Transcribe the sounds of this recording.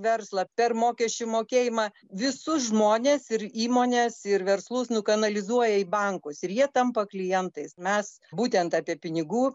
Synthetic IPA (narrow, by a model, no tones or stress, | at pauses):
ʋʲɛɾslˠɐpʲɛrmoːkʲɛʃʲt͡ʃʲʊmoːkʲeːjɪmɑː | ʋʲɪsʊsʒmoːnʲeːsɪɾiːmoːnʲeːsɪɾʋʲɛrslˠʊsnʊkɐnɐlʲɪzuɔjɛɪbɐŋkʊsɪɾjiɛt̪ɐmpɐklʲɪjɛnt̪ɐɪsmʲɛs | buːt̪ʲɛnt̪ɑːpʲiɛpʲɪnʲɪɡuː